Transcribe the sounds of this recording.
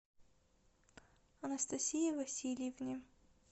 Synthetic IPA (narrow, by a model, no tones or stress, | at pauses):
ɐnɐst̪ɐsʲijɐvɐsʲilʲjɪvnʲɪ